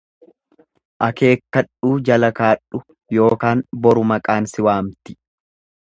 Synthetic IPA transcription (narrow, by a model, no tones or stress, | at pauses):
ʔɐke̞ːkːɐᶑuːd͡ʒɐlɐkaːᶑʊ | jo̞ːkaːnbɔɾʊmɐkʼaːnsɪwaːmt̪ɪ̥